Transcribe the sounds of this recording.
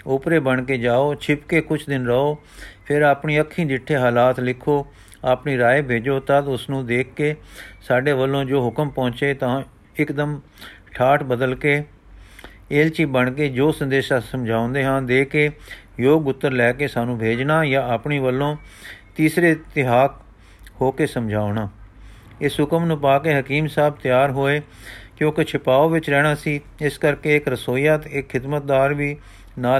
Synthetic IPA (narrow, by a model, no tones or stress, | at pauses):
ʊpɾeːbəɳkeːd͡ʒaːoːt͡ʃʰɪpkeːkʊt͡ʃʰd̪ɪnɾəoː | pʰɪɾaːpɳiːəkʰːĩːd͡ʒ̪ɪʈʰːeːɦaːlaːt̪lɪkʰːoː | aːpɳiːɾaːeːbʱeːd͡ʒoːt̪əd̪ʊsnũːd̪eːkːeːsaːɖeːʋəlːõːd͡ʒoːɦʊkəmpɔ̃ːt͡ʃeːt̪ãː | ɪkd̪əm | ʈʰaːʈbəd̪əlkeː | eːlt͡ʃiːbəɳkeːd͡ʒoːsənd̪eːʃaːsəmd͡ʒʱaːõnd̪eːɦãːnd̪eːkeːjoːɡʊt̪ːəɾlɛːkeːsaːnũːbʱeːd͡ʒnaːjãːəpɳiːʋəlːõːt̪iːsɾeːt̪ɪɦaːk | hoːkeːsəmd͡ʒʱaːonaː | ɪsʊkəmnʊ̃ːpaːkeːɦəkiːmsaːb̚t̪jaːɾɦoːeːkjõːket͡ʃʰɪpaːoːʋɪt͡ʃɾɛːɽ̃aːsiːɪskəɾkeːɪkɾəsoːjaːt̪ɪkʰːɪd̪mət̪̚d̪aːɾʋiː | naː